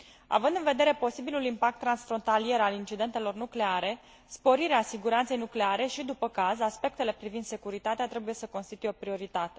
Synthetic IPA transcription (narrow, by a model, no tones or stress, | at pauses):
a̰vɨnd̪ɨnve̞d̪e̞ɾe̞po̞sibilulimpak̚t̪ːɾansfɾo̞nt̪alije̞ɾalint͡ʃid̪e̞nt̪e̞lo̞rnukle̞aɾe̞ | spo̞ɾiɾeasiɡuɾant̪se̞jnukle̞aɾe̞ʃid̪upəkazaspe̞k̚t̪e̞le̞pɾivind̪se̞kuɾit̪at̪eat̪ɾe̞buje̞səko̞nst̪it̪ujeopɾio̞ɾit̪at̪e̞